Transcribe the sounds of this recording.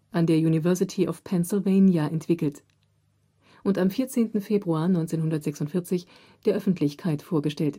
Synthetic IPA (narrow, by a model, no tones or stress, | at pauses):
ʔandeːɐjuːnivɛɐsɪtʰiʔɔfpʰɛnsɪlveɪnjaʔɛntv̥ɪkl̩t | ʔʊntamfiːɐt͡seːntn̩feːbʁuaːɐnɔʏnt͡seːnhɦʊndɐtz̥ɛksʊntfɪɐt͡sɪç | d̥eːɐʔœfn̩tʰlɪçkʰaɪtfoːɐɡəʃtɛlt